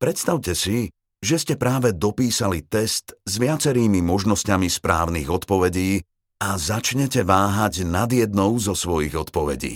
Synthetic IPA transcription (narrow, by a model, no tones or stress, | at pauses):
pɾɛt̪st̪aʊcɛsi | ʒɛscɛpɾaːʋɛd̪ɔpiːsalit̪ɛst̪zʋɪat͡sɛɾiːmimɔʒnɔscamispɾa̰ːʊniɣɔt̪pɔʋɛɟiː | azat͡ʃɲɛcɛʋaːɦaɟnad̪jɛd̪̚nɔʊzɔsʋɔjiɣɔt̪pɔʋɛ̰ɟḭː